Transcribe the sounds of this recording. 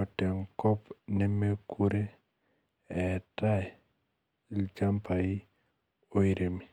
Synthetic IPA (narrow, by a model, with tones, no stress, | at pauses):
ɔ˨tɛ˨ŋkɔ˦pnɛ˦me˦ku˦ɾe˦ | ɛ˨ta˦ɛ˨ | lt͡ʃa˦mpa˨i˦ | o˦i˦ɾe˨mi˨